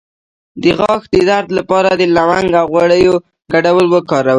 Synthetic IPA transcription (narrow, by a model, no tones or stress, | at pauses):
d̪əɣɑxd̪əd̪aɾd̪lapɑɾad̪əlawaŋɡawɣwaɽəjo | ɡaɖawəlwəkɑɾawə